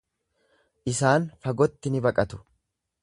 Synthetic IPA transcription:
ʔɪsaːnfɐɡɔt̪ːɪnɪbɐkʼɐt̪ʊ̥

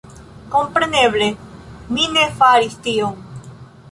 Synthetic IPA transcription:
kompɾeneβleminefaɾist̪ioŋ

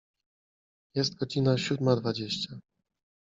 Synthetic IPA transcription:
jɛst̪ɡɔd͡ʑinaɕud̪mad̪vad͡ʑeɕt͡ɕa

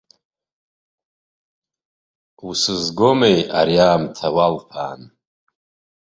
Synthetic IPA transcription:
usɨzɡomejaɾiaːmtʰawalpʰa̰ːn

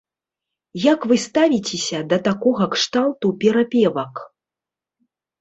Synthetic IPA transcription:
jakvɨst̪avʲit͡sʲesʲɐd̪ɐt̪akɔɣɐkʂt̪alˠt̪upʲɛɾapʲɛvɐk

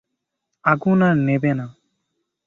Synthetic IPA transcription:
aɡunanebɛna

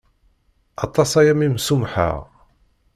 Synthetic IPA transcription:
ɑt̪ˤːɑsæjæmimsumħa̰ʁ

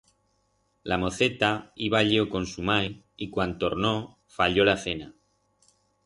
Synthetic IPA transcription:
lamo̞θe̞t̪aiβaʎiokõ̞nsumaj | ikwant̪oɾno | faʎo̞laθe̞na

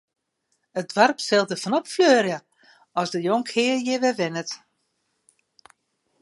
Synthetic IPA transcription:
ət̚dʋarpsɛlˠtəfɔnɔpfløːrjə | ɔsdəjoŋkhɪːəjɪʋɛʋɪnət

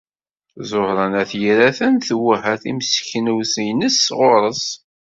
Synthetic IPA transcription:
zˤohɾˤɑnæθjɾæθænθwəhæθimsçnəwsjnəsːʁoɾˤəs

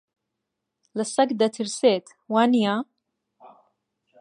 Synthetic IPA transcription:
lɨsɐkd̪ɐt̪ʰɨɾseːt̪ | waːnijaː

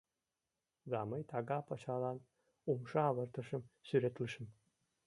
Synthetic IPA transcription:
zɑmɤjt̪ʰɑɡɑpɑt͡ɕɑlɑn | umʃɑɑβɤ̆ɾt̪ɤ̆ʃə̆msyɾet̪lə̆ʃə̆m

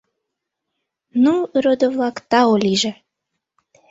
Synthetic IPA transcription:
nuɾod̪əvlɑkt̪ɑolʲiʒĕ

